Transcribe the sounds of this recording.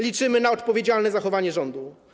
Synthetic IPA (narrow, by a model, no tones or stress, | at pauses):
lʲit͡ʂɘmɘnaɔt̪pɔvʲjed͡ʑalnɛzaxɔvaɲɛʐɔnd̪u